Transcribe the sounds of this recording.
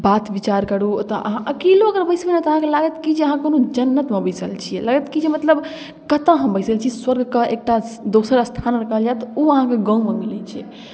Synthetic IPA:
bat̪bit͡ʃaɾkəɽut̪ɔʔə̰ɦãʔəkiloəɡəɾbəjsbenet̪ɔəɦãkelaɡət̪kid͡ʒeəɦãkonod͡ʒənːət̪mebəɪsəlt͡ʃʰijɛ̰laɡət̪kid͡ʒemət̪ləb | kət̪ə̃ɦəmbəjsəlt͡ʃʰiswəɾɡʱkeek̚ʈad̪osəɾəst̪ʰanɾəkəɦəld͡ʒaet̪ɔuəɦãkeɡãũmemilɛt͡ʃʰɛ̰

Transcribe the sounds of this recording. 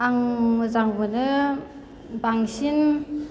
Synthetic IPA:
aŋmɯzaŋbɯnɯ | baŋsin

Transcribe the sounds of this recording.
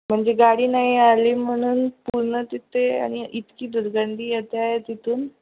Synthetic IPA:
m̤əɳd͡zeɡaɽiːnaɦialim̤əɽ̃uːnpuɾɳət̪it̪ʰea̰ɽ̃iʔit̪kiːd̪uɾɡaɳd̪ʱiːjet̪eajet̪it̪uːn

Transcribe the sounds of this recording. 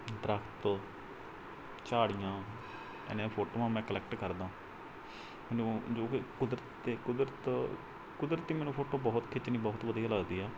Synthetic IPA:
d̪ɾəkʰt̪ː | t͡ʃaːɽɪjãː | ɛ̰nẽpʰoːʈoːʋãːmɛ̃ːkəlɛːk̚ʈkəɾd̪ãː | mɛːñːd͡ʒoːkʊd̪ɾət̪ːeːkʊd̪ɾət̪ | kʊd̪ɾət̪ːiːmɛːnũːpʰoːʈoːbɔːt̪kʰɪt͡ʃniːbɔːt̪ʋəd̪ijaːləɡd̪iːɛː

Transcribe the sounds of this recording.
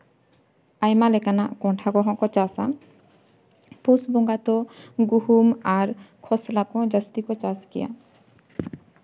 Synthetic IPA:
ajmalɛkanakɔɳʈʰaɡɔɦɔ̃kɔt͡ʃasa | posbɔŋɡat̪ɔɡuhumaɾkʰɔslakɔ̃d͡ʒast̪ikɔt͡ʃaskḭja̰

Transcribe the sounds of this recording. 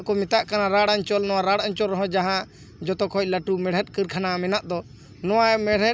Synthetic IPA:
kɔmɛt̪aʔkanaɾaɽaɲt͡ʃɔlnɔwaɾaɽaɲt͡ʃɔlɾɔɦɔ̃d͡ʒaɦã | d͡ʒɔt̪ɔkɔc̚laʈumɛɽ̤ɛt̚ˀkəɾkʰanamɛnaʔd̪ɔ | nɔwamɛɽɛ

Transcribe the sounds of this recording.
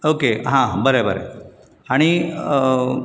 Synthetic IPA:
okeɦãbəɾebʱəɾḛ | aːɽ̃i

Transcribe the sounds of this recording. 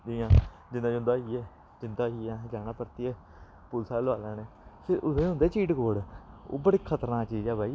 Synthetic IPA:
d̪iːãː | d͡ʒɪnãːd͡ʒɦʊ̃nd̪aːɦiːɛː | d͡ʒɪnd̪aːɦiːãːd͡ʒaːnãːpəɾt̪iːɛː | pʊlsaːləʋaːlãːneːsɪɾʊãʊ̃nd̪eːt͡ʃiːʈɡoːɽo̰ːbəɽiːkʰət̪əɾnãːt͡ʃiːd͡ʒɛːbaːiː

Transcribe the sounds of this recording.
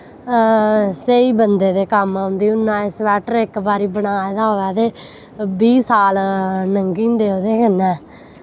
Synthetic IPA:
seiːbənd̪eːd̪eːkəmːʊ̃nd̪iːʊnːãːɪsʋɛːʈəɾɪkbaːɾiːbəɽaːed̪aːɦoːɛːt̪eː | biːsaːlnəŋɡĩːnd̪eːoːd̪eːkənɛ̃ː

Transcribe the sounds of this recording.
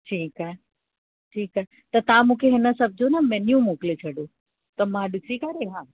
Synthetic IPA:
ʈʰiːkaɦɛ | ʈʰiːkaɦɛ | t̪ɐt̪ɐãmũːkʰeɦɪnəsɐb̚ʱd͡ʑonamɛ̃ːnijũmoːkɪlet͡ɕʰɐɗoː | t̪ɐmãɗɪsikaɾeɦãː

